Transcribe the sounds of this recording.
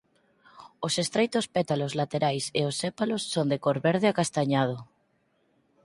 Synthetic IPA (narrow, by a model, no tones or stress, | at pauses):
osest̪ɾejt̪ʊspɛt̪alozlat̪eɾajsḛosepalosːond̪ekoɾβeɾð̞ɪakast̪aɲað̞ʊ